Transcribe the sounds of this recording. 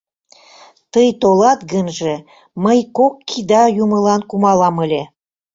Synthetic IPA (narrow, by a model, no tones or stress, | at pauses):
t̪əjt̪olɑt̪ɡənʒĕ | məjkokːid̪ɑjumə̆lɑnkumɑlɑməlʲe